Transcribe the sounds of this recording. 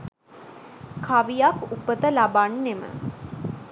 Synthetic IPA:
kʰaʋijakupət̪əlabanːemə̰

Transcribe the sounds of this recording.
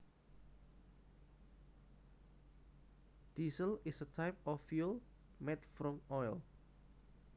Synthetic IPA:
d̥isəlɪsətʰaɪp̚ɔfjul | mɛtfɹɔ̃mɔjl

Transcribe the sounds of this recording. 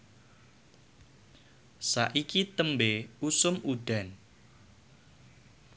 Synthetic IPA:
saʔikit̪əmbeusʊmuɖ̥ä̤n

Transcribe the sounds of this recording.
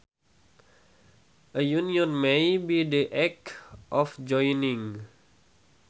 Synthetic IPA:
ʔəjuniɔ̃nmejbidiʔɛkʔɔfd͡ʒɔjnĩŋ

